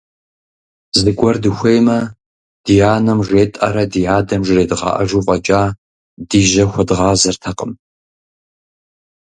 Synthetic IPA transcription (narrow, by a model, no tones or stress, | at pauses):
zɨɡʷɔrdɨxʷejmɐ | d̥ijaːnɐmʒeːtʼɐ̰ɾɐdijaːdɐmʒɪreːdʁɑ̰ʔɐ̰ʒuːqʷʼɐt͡ʃʼaː | diːʒɐxʷɐdʁɑːzɐrtʰɐqʼəm